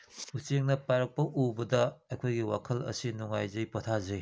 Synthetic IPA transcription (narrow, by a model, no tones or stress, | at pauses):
ut͡ʃeŋnɐpaɾɐk̚pɐʔubɐdɐajkʰojɡiwa̰kʰɐlɐ̰sinuŋajzɐjpɐtʰazej